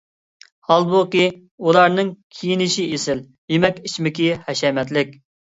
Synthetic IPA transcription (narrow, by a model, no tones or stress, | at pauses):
hɑlˠboqi | ulˠɑɾnɨŋkʲʰijinɪʃiesɪl | jemɛkʲit͡ʃmɪkʲihɛʃɛmɛt̪̬lɪkʲ